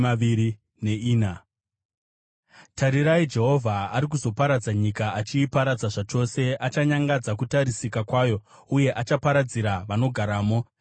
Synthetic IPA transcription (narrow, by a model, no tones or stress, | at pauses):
aii | ne̞iːna | tʰaɾiɾaid͡ʒe̞ɦo̞vʱaaɾik̬uzo̞paɾad͡zaɲikaat͡ʃiːpaɾad͡zaʐat͡ʃo̞se̞ʔat͡ʃaɲaŋɡad͡zakutaɾisikakwaːjo̞ | uje̞ʔat͡ʃapaɾad͡ziɾaʋano̞ɡʱaɾaːmo̞